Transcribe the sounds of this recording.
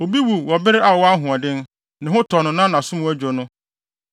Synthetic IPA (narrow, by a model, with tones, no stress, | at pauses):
o˨bi˦wu˨wɔ˨bɪ˦ɾɪ˦ʔa˨wɔ˦a˦ɦʊ̃˨a˨dɪ̃˦n˦ | nɪ̃˨ɦʊ̃˦tʰɔ˨nʊ̃˨nã˦nã˨sʊ̃˦m˨˦æ˦d͡ʑᶣɔ˨nʊ̃˦